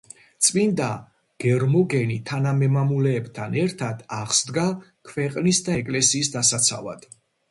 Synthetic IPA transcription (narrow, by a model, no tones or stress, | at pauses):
t̪sʼmind̪a | ɡ̥ɛɾmɔɡɛnit̪ʰanamɛmamulɛːbt̪ʰanɛɾt̪ʰad̪̥aʁsd̪ɡakʰvɛqʼnisd̪aɛkʼlɛsiːsd̪asat̪sʰa̰va̰d̪̥